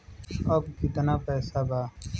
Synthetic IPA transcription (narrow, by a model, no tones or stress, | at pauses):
əbkɪt̪naːpɛːsaːbaː